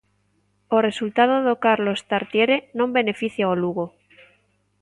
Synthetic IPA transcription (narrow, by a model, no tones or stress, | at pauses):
ore̞sult̪að̞oðokaɾlo̞st̪aɾt̪jeɾenõmbe̞ne̞fiθjaoluɣo